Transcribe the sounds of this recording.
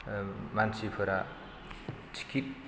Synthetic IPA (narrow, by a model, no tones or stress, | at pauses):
mansipʰuɾa | t͡sʰi̥kit̚